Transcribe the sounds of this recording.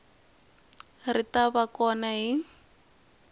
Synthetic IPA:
ritabakɔnaɦi

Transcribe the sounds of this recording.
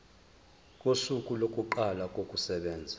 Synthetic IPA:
kʼosukʼulokʼuǃalak̬ʼokʼusɛɓɛːnd͡zʱḁ

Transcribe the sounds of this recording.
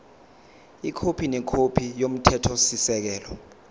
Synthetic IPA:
ikʰopʰinɛkʰopʰijom̩tʰɛtʰɔsisɛk̬ɛːlɔ

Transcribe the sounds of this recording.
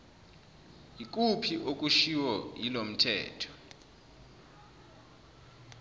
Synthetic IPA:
ik̬ʼupʰiʔok̬ʼuʃiwɔjilom̩tʰɛ̰ːtʰɔ̥

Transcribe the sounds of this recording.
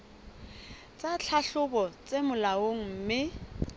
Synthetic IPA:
t͡sʼat͡ɬʰaɬʊbɔt͡sʼemʊlaoŋ̩m̩ːmɪ

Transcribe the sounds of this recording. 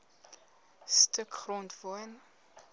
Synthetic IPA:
stʰəkχrɔ̃ntvɔn

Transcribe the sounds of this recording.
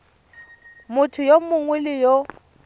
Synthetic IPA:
mʊtʰʊjomʊŋwɪlɪjo

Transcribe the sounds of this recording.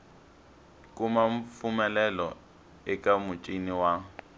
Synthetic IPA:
kʼumaɱfumɛlɛlɔ̰ | ɪkʼamʊt͡ʃʼiniwaːŋ̩

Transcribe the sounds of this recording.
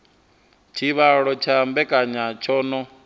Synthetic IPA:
t͡ʃʰiβaɺɔt͡ʃʰambɛkʼaɲat͡ʃʰɔːnɔ

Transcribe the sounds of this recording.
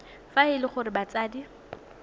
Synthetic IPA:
faɪlɪχʊɾɪbat͡sʼaːdi

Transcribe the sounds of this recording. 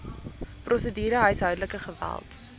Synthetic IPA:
prʔɔsədiːɾəɦəjsɦœɥdələkəχəvæ̰lˠt

